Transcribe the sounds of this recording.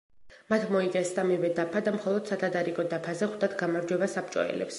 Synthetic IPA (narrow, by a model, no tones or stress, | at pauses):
mat̪ʰmɔiqʼɛsd̪amivɛd̪apʰad̪amχɔlˠɔd̪̥sat̪ʰad̪aɾikʼɔd̪apʰazɛχwd̪at̪ɡamaɾd͡ʒwɛbasap̚t͡ʃʼɔ̰ɛ̰lɛ̰ps